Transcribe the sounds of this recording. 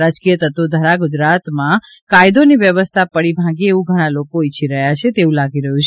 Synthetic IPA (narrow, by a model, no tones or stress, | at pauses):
ɾad͡ʒkijət̪ət̪ud̪ʱəɾaɡʊd͡ʒɾat̪mã | kajd̪oniʋjəʋəst̪ʰapəɽibʱãɡieʋũɡʱəɽ̃alokoit͡ʃʰiɾəɦjat͡ʃʰet̪eũlaɡiɾəɦũt͡ʃʰ